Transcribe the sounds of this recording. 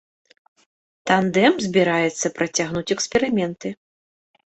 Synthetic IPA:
t̪and̪ɛmzʲbʲiɾajɛt̪sːɐpɾɐt͡sʲaɣnut͡sʲɛkspʲɛɾɨmʲɛnt̪ɨ

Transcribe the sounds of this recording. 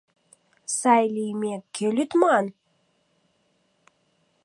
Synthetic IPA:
sajlʲijmekʲʰːelʲyt̪mɑn

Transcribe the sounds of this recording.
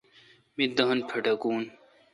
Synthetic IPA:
mid̪ɐɦɐnpʰɐʈɐkuːn

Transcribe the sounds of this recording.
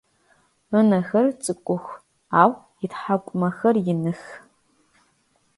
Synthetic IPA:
ənɐxɐrt͡sʼɨkʷʼʊxʷ | aːw | itħakʷʼmɐxɐrjɪnɨx

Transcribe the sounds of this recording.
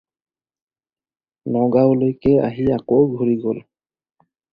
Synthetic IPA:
nɔɡawlojkɛa̰ɦiakowɡʱoɹiɡol

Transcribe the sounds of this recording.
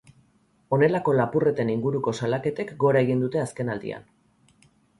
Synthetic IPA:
o̞ne̞lako̞lapure̞t̪e̞niŋɡuɾuko̞salake̞t̪e̞kɡo̞ɾae̞ɣind̪ut̪e̞aske̞nald̪ḭa̰n

